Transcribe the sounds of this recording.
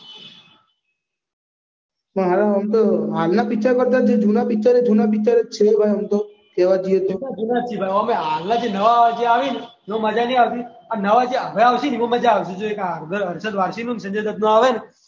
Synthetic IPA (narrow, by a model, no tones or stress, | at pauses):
əɦaɾaɦəmt̪oɦalnapit͡ʃaɾpəɾd̪ad͡ʒed͡ʒʱunapit͡ʃaɾed͡ʒunapit͡ʃaɾet͡ʃʰebʱajɦəmt̪o | kɛʋad͡ʒiet̪oad͡ʒunat͡ʃʰibʱajəmeɦalnad͡ʒenəʋad͡ʒeaʋin | ʋõməd͡ʒaniaʋt̪ianəʋad͡ʒeaʋeaʋʃiniʋõməd͡ʒaːʋʃẽd͡ʒoekaɾɡəɾəɾʃəd̪ʋaɾʃinunsə̃ɲd͡ʒed̪ət̪nũaʋen